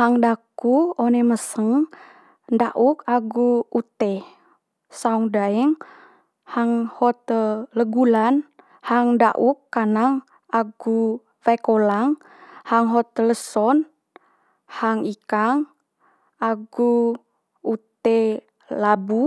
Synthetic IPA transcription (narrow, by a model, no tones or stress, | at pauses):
haŋdakuoneməsəŋ | ndaʔukaɡuut̪e | sauŋdaiŋ | haŋhɔt̪ləɡulan | haŋda̰ʔukːanaŋ | aɡu | fajkolaŋ | haŋɦɔt̪̚ləsɔn | haŋikaŋ | aɡu | ut̪e | labu